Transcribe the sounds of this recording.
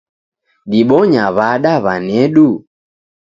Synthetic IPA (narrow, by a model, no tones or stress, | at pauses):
ɗiɓɔɲaβaɗaβanɛɗu